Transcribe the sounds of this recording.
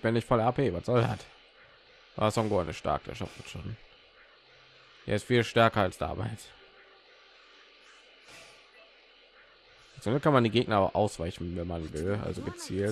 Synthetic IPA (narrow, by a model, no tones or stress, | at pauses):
b̥ɪnɪçtfɔlapʰevatz̥ɔlha̰t | a̰ːsɔŋɡoanəʃta̰ɐkə̥ɛ̰ʃa̰fətʃoːn | ɛ̰ːɪstfiːlʃtɛɐkɐalsd̥a̰ːmʔa̰ɪls | ɪsʔʊndəkʰanmandiːɡeːɡ̚nɐaʊxʔaʊsv̥aɪçn̩vɛnmanvɪlʔa̰lzoɡət͡siːl